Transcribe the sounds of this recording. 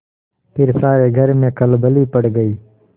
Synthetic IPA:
pʰɪɾsaːɾeːɡʱɐɾmẽːkɐlbəliːpɐɽɡəiː

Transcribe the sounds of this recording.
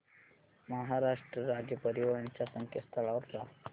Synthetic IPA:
məɦaɾaʂʈɾəɾad͡ʑjəpəɾiʋəɭəɳt͡ɕasəŋkʰəst̪əlaʋɾt̪a

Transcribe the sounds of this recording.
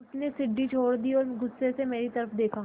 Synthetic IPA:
pnesɪɖːit͡ʃʰoːɽd̪iɔːɾɡʊsːesemeːɾit̪ɐɾəfd̪eːkʰa

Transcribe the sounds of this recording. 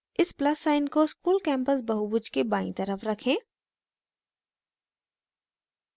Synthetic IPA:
ɪsplɐsːaːɪnkoskuːlkɛ̃ːmpəsbɐɦubʊd͡ʒkebaːḭ̃t̪ɐɾəfɾɐkʰẽː

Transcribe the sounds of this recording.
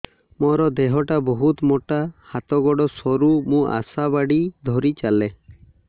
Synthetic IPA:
mɔɾɔd̪eɦɔʈabɔɦut̪moʈahat̪ɔɡɔɽɔsɔɾumũʔa̰sabaɽid̪ʱɔɾit͡ʃale

